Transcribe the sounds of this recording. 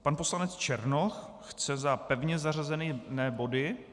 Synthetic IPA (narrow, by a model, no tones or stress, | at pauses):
panposlanɛt͡st͡ʃɛɾnox | xt͡sɛzapɛvɲɛzar̝azɛniːnɛːbo̞dɪ